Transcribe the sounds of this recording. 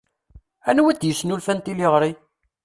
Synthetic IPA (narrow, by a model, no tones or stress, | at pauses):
ænwæd̪jəsːnulfænt̪iliʁɾi